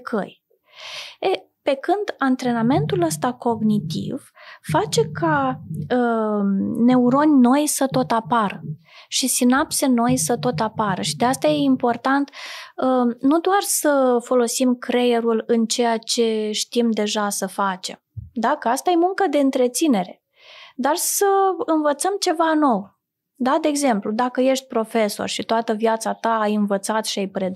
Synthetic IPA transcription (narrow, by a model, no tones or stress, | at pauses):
kʰə̰j | e | pe̞kɨnd̪ant̪ɾe̞name̞nt̪uləst̪ako̞ɡnit̪ḭv̥fat͡ʃe̞kʰaə | ne̞uɾo̞nʲno̞jsət̪o̞t̪apaɾə | ʃisinapse̞no̞jsət̪o̞t̪apaɾəʃid̪e̞ast̪aje̞impo̞rt̪ant̪ənud̪oarsəfo̞lo̞simkɾe̞je̞ɾulɨnt͡ʃejat͡ʃe̞ʃt̪imd̪e̞ʒasəfat͡ʃe̞̰md̪akəast̪aje̞muŋkəd̪e̞ɨnt̪ɾe̞t̪sine̞ɾe̞ | d̪arsəɨnvət̪səmt͡ʃe̞vano̞w | d̪ad̪e̞ːɡze̞mplud̪akəje̞ʃt̪̚ʲpɾo̞fe̞so̞̰rʃit̪oat̪əvjat̪sat̪aːjɨnvət̪sat̪ʃiajpɾed̪